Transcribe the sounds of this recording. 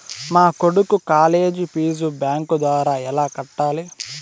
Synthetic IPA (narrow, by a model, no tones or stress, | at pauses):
maːkoɽukukaːle̞ːd͡ʒipiːzubjaːŋkud̪ʋaːɾaːɛlaːkɐʈːaːli